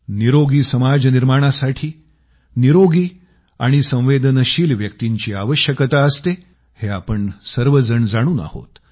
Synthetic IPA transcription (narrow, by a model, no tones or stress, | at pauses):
niɾoɡiːsəmad͡zniɾmaɽ̃asaʈʰiː | niɾoɡiː | a̰ɽ̃isə̃w̃ʋed̪ʱənəɕiːlʋjək̚t̪iɲt͡ɕiːaʋəɕjəkət̪aəst̪e | heapəɳsəɾʋəd͡zəɳd͡zaɽ̃uːna̰ho̰t̪